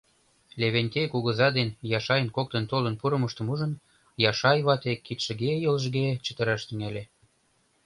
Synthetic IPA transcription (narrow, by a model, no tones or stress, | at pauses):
lʲeβenʲt̪ekuɣə̆zɑd̪enjɑʃɑjənkok̚t̪ə̆nt̪olənpuɾə̆məʃt̪ə̆muʒə̆n | jɑʃɑjβɑt̪ekːit̪ʃə̆ɡejələʒɡet͡ɕə̥t̪ə̆ɾɑʃt̪yŋælʲe